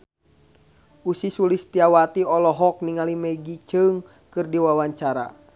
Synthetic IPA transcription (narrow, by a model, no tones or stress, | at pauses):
usisulist̪iawat̪iɔlɔɦɔk̚niŋalimɛɡit͡ʃɨŋ | kɨrdiwawaɲt͡ʃaɾa̰